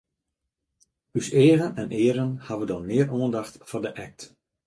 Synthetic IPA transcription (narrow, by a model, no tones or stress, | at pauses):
yseːərənɛnʔɪəɾənhaʋədɔmɪərʔoəndaxtfɔdəʔɛk̚t